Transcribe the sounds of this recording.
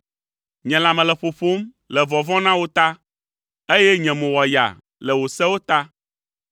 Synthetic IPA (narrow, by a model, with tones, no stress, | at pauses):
ɲɛ̃˨la˨mɛ̃˨lɛ˨ɸo˨ɸo˦m | lɛ˨vɔ˨vɔ̃˦nã˦wo˦t̪a˦ | e˦jɛ˦ɲɛ̃˨mɛ̃˨wɔ˨ja̰˨ | lɛ˨wo˨sɛ˦wo˦t̪a˦